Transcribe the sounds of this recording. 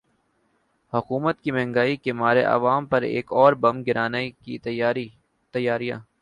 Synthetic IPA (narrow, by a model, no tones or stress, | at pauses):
hʊkuːmət̪̚kimɛ̃ɦŋɡaːikemaːɾḛʔɐ̰ʋaːmpɐɾḛːkɔːɾbɐmɡɪɾaːnaki | t̪ɐjːaːɾijã̰ː